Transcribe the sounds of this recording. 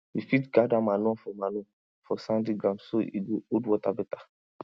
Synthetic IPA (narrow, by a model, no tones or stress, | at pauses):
ifitɡadamalɔ̃fɔmalɔ̃ | fɔsãndiɡɾãmsoʔidoodwɔtabɛta